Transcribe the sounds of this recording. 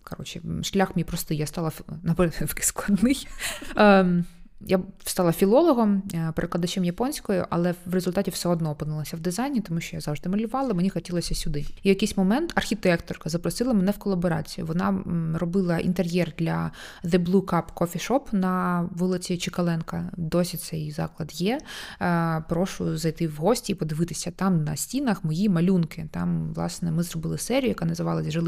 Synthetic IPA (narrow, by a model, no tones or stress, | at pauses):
kʰɐɾɔt͡ʃɪʃlʲaxmʲijpɾɔst̪ɪjast̪ɑlˠɐnɐpɾɛfkɪ̥sklˠɐd̪nɪj | jast̪ɑlˠɐfʲilˠɔlˠɔɦɔmpeɾɪklˠɐd̪at͡ʃɛmjɐpɔnʲsʲkɔjʊ̰ʔɐlˠɛʋrezʊlʲt̪ɑtʲiwsɛɔd̪nɔːpɨnɪlˠɐsʲɐwd̪ɪzɑjnʲit̪ɔmuʃt͡ʃɔjazɑwʒd̪ɪmɐlʲʊʋɑlˠɐmenʲixɔtʲilˠɔsʲɐsʲʊd̪ɪijɐkejsʲmɔmɛnt̪ʰɐrxʲit̪ɪɛkt̪ɔrkɐzɐpɾɔsɨlˠɐmɛnɛwkɔlˠɐbɔɾɑ̰t͡sʲijʊ̰ʋɔnɑrɔbɪlˠɐʔḭnt̪erʲjɛrd̪lʲɐ | ðɪblˠukɑpkɔfʲiʂɔpnɐʋɔlˠɪt͡sʲit͡ʃɪkɐlˠɛnkɐd̪ɔsʲit̪sɛjzɑ̰klˠɐd̪jɛ | pɾɔʃʊzɐjt̪ɪwɦɔsʲtʲiːpɔd̪ɪʋɪt̪ɪsʲɐt̪ɑmnɐsʲtʲinɐxmɔjimɐlʲunkɪt̪ɑmʋlˠɑ̰snɛmɪzɾɔbɪlˠɪsɛɾʲijʊjɐkɑnɐzɪʋɑlˠɐzʲʒɐlˠ